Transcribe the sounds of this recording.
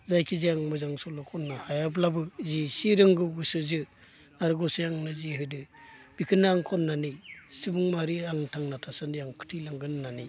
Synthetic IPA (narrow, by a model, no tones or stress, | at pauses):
zajkʰiziaŋmɯzaŋsɔlɔkʰɔnːahajablabɯzisiɾɯŋɡɯɡɯsɯzɯ | aɾɡɔsijaŋnɯziɦɯjdɯbikʰɯnːaːŋkʰɔnːanisibɯŋmaɾiaŋtʰaŋnatʰasandijaŋkʰɯ̥tʰilaŋɡɯnnani